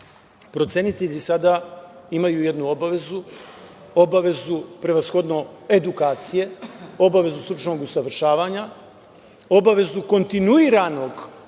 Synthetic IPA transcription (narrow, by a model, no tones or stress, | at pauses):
pɾo̞t̪senit̪eʎisad̪aimajuje̞d̪nuo̞baʋe̞zu | o̞baʋe̞zupɾe̞ʋasxo̞d̪no̞e̞d̪ukaːt̪sije̞o̞baʋe̞zust̪ɾut͡ʃno̞ɡusaʋr̩ʃaːʋaɲa | o̞baʋe̞zuko̞nt̪inuiɾano̞ɡ